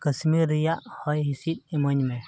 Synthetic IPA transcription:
kəsmiɾijaʔhɔjɦisit̪̚iməɲmɛ

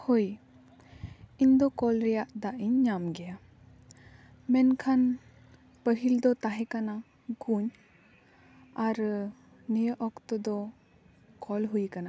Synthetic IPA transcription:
hoj | iɲd̪ɔkɔlɾɛjaʔd̪aʔiɲːamɡɛja | mɛnkʰan | pəɦild̪ɔt̪aɦɛkana | ɡuɲ | aɾ | nijəʔɔkt̪ɔd̪ɔ | kʰɔlɦujkana

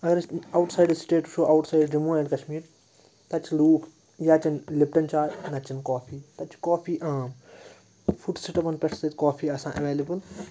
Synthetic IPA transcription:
ɐɡɐɾɐwʈsaːjɖsʈeːʈuʃoːʔɐwʈsaːjɖɖimuːẽːɖkɐʃmiːɾ | t̪ɐt͡ʃʰiluːkʰ | jaːt͡ʃɐnlɪpʈɐnt͡ʃaːɾnɐt͡ʃɐnkɔːpʰiːt̪ɐt͡ʃʰkoːpʰiːʔaːm | fʰuʈsɪʈɐpɐnpɛʈʰsɐt̪kɔːpʰiːɐsãːʔɐʋeːlɐbɨl

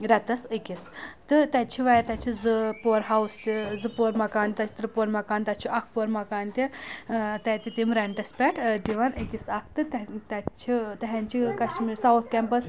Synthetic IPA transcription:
ɾʲɐt̪ɐsikʲist̪ɨt̪ɐtt͡ʃʰiʋɐjt̪ɐt͡ʃʰizɨpoːɾɦawst̪izɨpoɾmɐkaːnʲt̪ɐt͡ʃʰt̪ɾɨpoːɾmɐkaːnt̪ɐt͡ʃʰiɐkʰpoɾmɐkaːnt̪ʲi | t̪ɐt̪ʲit̪imɾɐɳʈɐspʲɛʈʰd̪iʋɐnɨkʲisɐkʰt̪ɨt̪t̪ɐt͡ʃʰit̪ɐɦɛnt͡ʃʰikɐsʈmisawt̪ʰkʲɛmpɐs

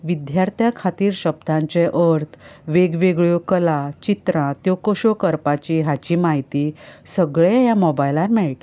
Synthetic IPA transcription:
ʋid̪jaɾt̪ʰjakʰat̪iːɾɕəb̚d̪ãɲt͡ɕeʔəɾt̪ʰʋeɡʋeɡɭjokəlat͡ɕit̪ɾãt̪jɔkəɕokəɾpat͡ɕiɦat͡ɕiːmaɦit̪iːsəɡɭejamɔbajlaɾmɛɭʈ

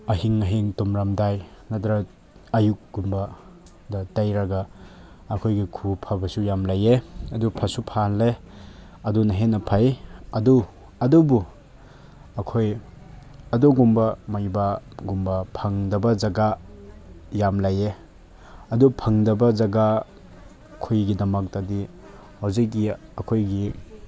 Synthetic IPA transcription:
ɐɦiŋɐɦiŋtɔmɾamdajnadɾa | ɐjuk̚ɡumba | dɐtajɾaɡaː | kʰojɡikʰupʰabɐsujamlajeɐdupʰasupʰanle | ɐdunaɦenɐpʰajɐdu | ɐdubu | ɐkʰoj | ɐduɡumbɐmajbaɡumbɐpʰaŋdɐbɐd͡ʒaɡa | jamlaje | ɐdupʰɐŋdɐbɐzaɡa | kʰojɡidɐmɐk̚tɐdi | hawzik̚ːiɐkʰojɡi

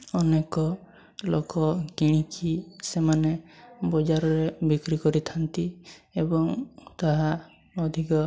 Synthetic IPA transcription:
ɔnekɔ | lo̰kɔɡiɽ̃ikʰisemanebɔd͡ʒaɾɔɾebikɾikɔɾit̪ʰant̪iebɔŋt̪aɦa | ɔd̪ʱikɔ

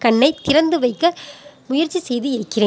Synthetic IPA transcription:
kɐɳːɐɪt̪ːɪɾɐnd̪ɯʋɐɪkːɐmʊjɐɾt͡ʃːisɛjðɯɪɾɯkːɪreː

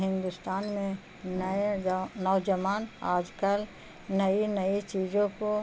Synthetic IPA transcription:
ɦɪ̃nd̪ʊst̪aːnmẽ | n | nɔːd͡ʒəʋaːna̰ːd͡ʒkəl | nɐinɐit͡ʃiːd͡ʒõko

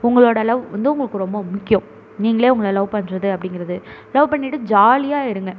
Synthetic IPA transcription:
ʊŋɡɐɭoːɽɐlɐʋʋɐ̰nd̪ɯʊŋɡɐɭɯkːɯɾɔmbɐmʊkːɪjɐ̃m | niːŋɡɐɭeːʊŋɡɐɭɐlɐʋpɐɳːɾɐðɯɐpːɐɽɪŋɡɪɾɐðɯlɐʋpɐɳːɪʈːɯd͡ʒaːlɪjaːɪɾɯŋɡɐ

